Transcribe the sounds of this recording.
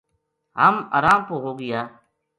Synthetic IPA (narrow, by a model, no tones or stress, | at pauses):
ɦaːma̰ːɾaːmpoːɦoːɡɪjaː